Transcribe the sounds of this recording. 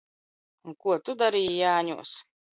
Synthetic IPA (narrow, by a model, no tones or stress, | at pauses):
unkuɔt̪ud̪aɾijjaːɲṵɔs